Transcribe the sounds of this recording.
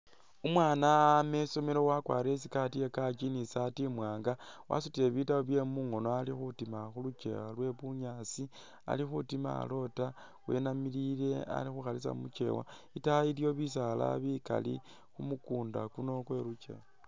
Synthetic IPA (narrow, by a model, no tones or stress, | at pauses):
umwaːname̞so̞melo̞wakwaːɾesikatijekat͡ʃinisatimwaːŋɡawʔa̰sutile̞βitaoβje̞muŋo̞noalixutimaxulut͡ʃḛwalwe̞βuɲasi | a̰lixutima̰lo̞ta | we̞̰namilile̞a̰lixuxalisa̰mṵt͡ʃe̞̰wa̰ | itailjo̞βisala̰βika̰lḭ | xumukuːndakuno̞xwe̞lut͡ʃe̞̰ːwa